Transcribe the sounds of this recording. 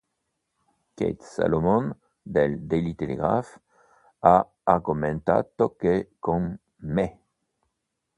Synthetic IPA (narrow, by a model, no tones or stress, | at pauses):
kḛjt̪sa̰lomɔn | d̪eld̪elit̪elḛɡʁaf | a | aɡumɛ̃nt̪a̰t̪ɔkekõŋ | me